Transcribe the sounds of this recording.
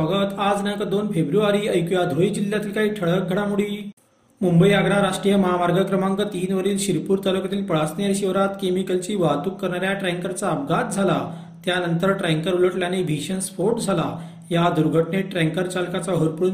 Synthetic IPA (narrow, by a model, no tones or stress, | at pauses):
ɔɡət̪ad͡znakad̪onfebɾuaɾiːəjkujad̪ʱoid͡ʑiljat̪iːlkaɦiːʈ̪ʰəɭ̤ək̚ɡʱəɽamuɽiː | mumbəiaɡɾaɾaʂʈɾijəməɦamaɾɡəkɾəmãŋkət̪iːnʋəɾiːlɕiɾpuːɾt̪alukat̪iːlpəɭasnjaɾɕiʋɾat̪kemikəlt͡ɕiːʋat̪uːkːəɾɳaɾjaʈɾɛŋkəɾt͡saəp̚ɡat̪̚d͡zʱala | t̪janənt̪əɾʈɾɛŋkəɾuləʈljanebʱiɕənsfoɾʈd͡zʱala | jad̪uɾɡʱəʈɳeʈɾẽŋkəɾt͡ɕalkat͡saɦəɾpuɽun